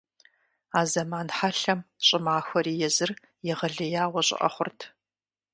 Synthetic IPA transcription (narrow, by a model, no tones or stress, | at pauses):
aːzɐmaːnħaɬɐmɕʼɪmaːxʷɔɾiːjɛzɨr | jɛʁɐɮɨjaːwɔɕʼɪ̰ʔʼɐ̰χʷʊrtʰ